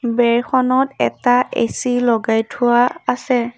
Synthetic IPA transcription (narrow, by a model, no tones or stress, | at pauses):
bɛɹxʰɔnɔtɛ̰taḛsilɔɡajtʰuaːsɛ